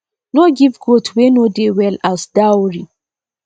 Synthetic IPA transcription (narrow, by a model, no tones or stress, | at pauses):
nɔɡivɡotʰwenodewɛlasd̥awɹi